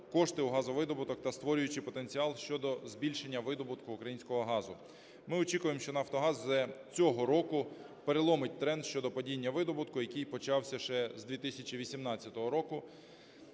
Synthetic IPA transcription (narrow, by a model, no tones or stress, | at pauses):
kɔʃt̪ɪuɦɑzɔʋɪd̪ɔbʊt̪ɔkt̪ɐst̪ʋɔɾʲʊjʊt͡ʃɪpɔt̪e̞nʲt͡sʲiɑlˠʃt͡ʃɔd̪ɔzbʲilʲʃenʲːɐʋɪd̪ɔbʊt̪kʊːkɾɐjinʲsʲkɔɦɔɦɑzʊ | mɪɔt͡ʃikʊjemʃt͡ʃɔnɐft̪ɔɦɑzːɛt͡sʲɔɦɔɾɔkʊ | peɾelˠɔmɪt̚ʲt̪ɾɛnd̪ʃt͡ʃɔd̪ɔpɔdʲinʲːɐʋɪd̪ɔbʊt̪kʊjɐkijpɔt͡ʃɑwsʲɐʃɛzd̪ʋʲit̪ɪsʲɐt͡ʃiʋʲisʲimnɑt͡sʲːɐt̪ɔɦɔɾɔkʊ